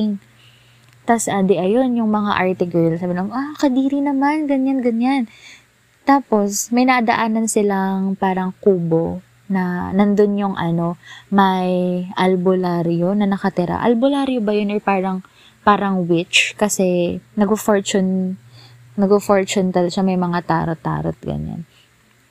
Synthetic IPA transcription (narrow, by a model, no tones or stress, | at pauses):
ɪŋ | t̪ɐsʔaːd̪ɛʔɐjo̞njʊŋmɐŋa̰ʔaɹt̪ɪɡɛlsabɪnoʔakɐd̪iːɾinɐmanɡɐɲanɡɐɲan | t̪aːpo̞smɐjnɐɐd̪ɐʔaːnɐnsɪlaŋpaːɾɐŋkuːbo̞ | nɐnɐnd̪onjʊŋʔɐno̞mɐjʔɐlbolaɾjonɐnɐkɐt̪ɪɾa̰ʔɐ̰lbolaːɾjobɐjonɔɹpaːɾɐŋ | paːɾɐŋwɪt͡ʃkɐsɛnɐɡofoɹt͡ʃʊnː | ɐɡofoɹt͡ʃʊnt̪ɐlʃamɐjmɐŋat̪a̰ːɾot̪ːa̰ːɾo̰t̪̚ɡɐ̰ɲa̰n